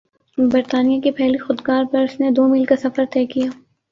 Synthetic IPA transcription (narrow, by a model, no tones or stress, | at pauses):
bɐɾt̪aːnijakepʰɛːlixʊd̪ɡaːɾpɐɾʊsned̪oːmiːlkasɐfəɾt̪ɛːkijaː